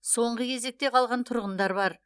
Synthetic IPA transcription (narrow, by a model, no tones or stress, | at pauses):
so̞ɴʁəjʰʲe̞ze̞k̚t̪e̞qʰɑlˠʁɑnt̪ʰʊɾʁənd̪ɑɾbɑɾ